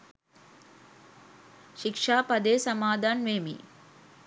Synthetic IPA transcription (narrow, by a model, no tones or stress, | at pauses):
ʃikʂaːpɐd̪eːsɐmaːd̪ʱaːnʋeːmḭ